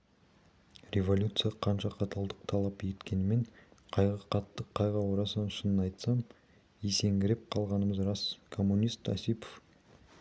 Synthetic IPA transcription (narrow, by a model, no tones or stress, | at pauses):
rʲe̞vo̞lʲjut̪sɨjɑqʰɑnʃɑqʰɑt̪ʰɑlˠd̪əq̚t̪ʰɑlˠɑpjet̪kʲʰe̞nɪme̞ɴqʰɑjʁəqʰɑt̪ːəqʰːɑjʁɑwoɾɑsnnʊʃənənɑjt̪sɑm | ese̞ŋɡʲɪɾep̚qʰɑlˠʁɑnəməzrɑskʰo̞mːunʲijst̪ɑ̰sipo̥f